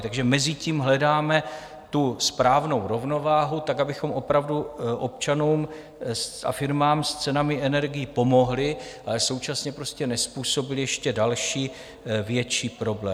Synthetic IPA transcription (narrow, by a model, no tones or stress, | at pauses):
t̪aɡʒɛmɛzɪciːmɦlɛdaːmɛ | t̪uspɾaːvno̞wɾo̞vno̞vaːɦut̪akabɪxo̞mʔo̞pɾavduʔo̞p̚t͡ʃanuːm | sa̰fɪɾmaːmst͡sɛnamɪɛnɛɾɡɪjɪpo̞mo̞ɦlɪʔalɛso̞wt͡ʃasɲɛpɾo̞scɛnɛspuːso̞bɪlɪjɛʃcɛdalʃiː | vjɛt͡ʃiːpɾo̞blɛː